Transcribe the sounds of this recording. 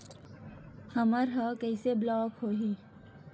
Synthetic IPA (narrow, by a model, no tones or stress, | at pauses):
həməɾɦəkɛːseblɔːkɦoːɦi